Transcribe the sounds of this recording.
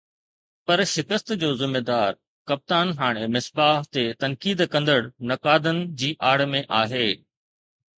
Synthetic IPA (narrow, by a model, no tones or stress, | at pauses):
pɐɾʃɪkəst̪d͡ʑoːzɪmːed̪aːɾ | kɐp̚t̪aːnɦaːɽ̃emɪsbaːɦt̪et̪ɐnkiːd̪kɐ̃nd̪əɽnɐkaːd̪ənɪ̆d͡ʑiːʔaːɽmẽʔaːɦeː